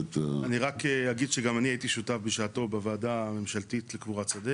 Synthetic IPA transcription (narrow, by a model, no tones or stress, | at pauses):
taniʁakeaɡid̪ʃeɡamaniaitiʃutafbeʃaːto̞bavaːdame̞mʃaltitlekvuʁat͡sade